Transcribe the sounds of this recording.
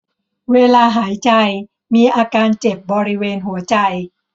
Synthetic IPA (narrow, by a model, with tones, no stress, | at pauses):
weː˧laː˧ɦaː˩˦jt͡ɕa˧j | miː˧ʔaː˧kaː˧nt͡ɕe˨˩p̚bɔː˧ɾi˦weː˧nɦu˩˦ɐt͡ɕa˧j